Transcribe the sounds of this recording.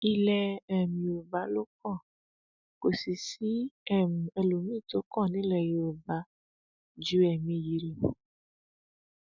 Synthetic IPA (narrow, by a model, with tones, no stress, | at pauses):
i˧lɛ˧ɛ˨mĩ˧o˨va˨˦lo˦kɔ̃˦˨ | ko˨si˨si˦ɛ˦˨mũ˨e˧lo˨mĩ˦˨to˨˦kɔ̃˦˨nĩ˦lɛ˨je˧˨o˨va˨˦ | d͡ʒu˦ɛ˨mĩ˧ji˨˧ɾĩ˧˨